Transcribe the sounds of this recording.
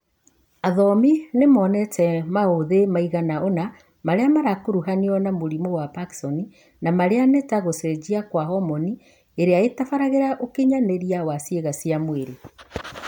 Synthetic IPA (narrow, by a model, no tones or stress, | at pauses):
aðɔminemɔnɛtʰɛmaoðemaiɣanaona | maɾeamaɾakoɾuɦaniɔnamoɾimowapaki̥sɔni | namaɾeanetaɣosɛd͡ʑiakwahɔmɔni | eɾeaetafaɾaɣeɾaʔokeɲaneɾiawasjeɣasiamweɾe